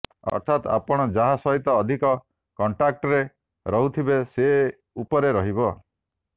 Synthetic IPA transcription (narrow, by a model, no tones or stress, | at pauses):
ɔ̰ɾt̪ʰat̪a̰pɔɽ̃ɔd͡ʒaɦasɔɦit̪ɔːd̪ʱikɔ | kɔɳʈɾak̚ʈɔɾe | ɾɔɦut̪ʰibese | upɔɾeɾɔɦibɔ